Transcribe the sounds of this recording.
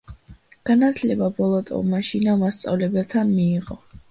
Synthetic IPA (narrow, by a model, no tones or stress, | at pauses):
ɡ̥anat̪ʰlɛbabɔlˠɔt̪ʼɔ̰maʃinamast̪sʼa̰vlɛbɛlˠt̪ʰanmiːʁɔ